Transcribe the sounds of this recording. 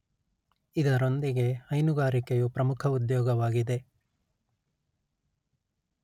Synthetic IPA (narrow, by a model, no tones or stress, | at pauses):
id̪ɐɾo̞nd̪iɡe̞hɐjnuɡaːɾikejupɾɐmukʰɐud̪jɔːɡɐʋaːɡid̪e̞